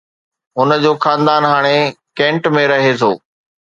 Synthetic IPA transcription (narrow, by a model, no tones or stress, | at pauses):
ɦʊnəd͡ʑoːxãːnd̪aːnɦaːɽ̃ekẽːɳʈmẽɾɐɦet̪ʰoː